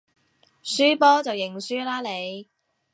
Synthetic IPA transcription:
syː˥pɔː˥t͡sɐ˨wjɪ˨˩ŋsyː˥laː˥le˨˧j

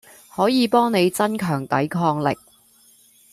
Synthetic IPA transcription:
hɔː˨˥jiː˨˧pɔː˥ŋne˨˧jt͡sɐ˥nkʰœː˨˩ŋt̪ɐ˨˥jkʰɔː˧ŋlɪ̰˨k̚

